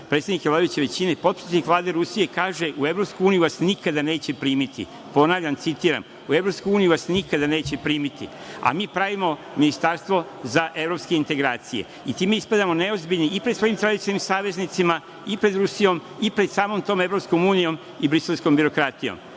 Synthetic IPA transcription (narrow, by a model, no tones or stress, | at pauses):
pɾet̪sed̪nikeʋlad̪uʋit͡ɕe̞ʋe̞t͡ɕine̞po̞t̪̚pɾi̥set̪ikʋlˠaːd̪eɾusije̞kaːʒe̞ʔue̞vɾo̞pskuuːnijuʋasnikad̪ane̞ːt͡ɕe̞pɾiːmit̪ḭ | po̞naːʋʎʲant̪sit̪iːɾa̰m | ue̞vɾo̞pskujuːnijuʋasnikad̪ane̞ːt͡ɕe̞pɾiːmit̪ḭ | a̰miːpɾaʋimo̞ | minist̪aɾst̪ʋo̞ | zaʔe̞vɾo̞pskeint̪e̞ɡɾaːt̪sijḛ | it̪iːme̞ispad̪amo̞ne̞ozbilʎʲniipɾed̪sʋojimt̪ɾad̪it͡ʃ̪animsaːʋe̞znit̪sima | ipɾe̞d̪ɾusijo̞m | ipɾe̞d̪̥saːmo̞mt̪o̞ːme̞vɾo̞psko̞muːnijo̞m | ibɾiselˠsko̞mbiɾo̞kɾat̪ijo̞̰m